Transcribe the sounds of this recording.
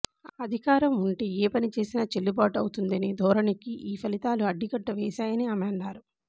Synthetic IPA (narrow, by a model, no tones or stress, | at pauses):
ɐd̪ʱikaːɾɐmuɳʈeeːpɐnit͡ʃe̞ːsinaːt͡ʃelːibaːʈɐwut̪und̪ɐnid̪ʱɔːɾɐnikiʔiːpʰɐlit̪aːluɐɖːiɡɐʈːɐʋɛːʃaːjɐniɐːmeɳːaːɾu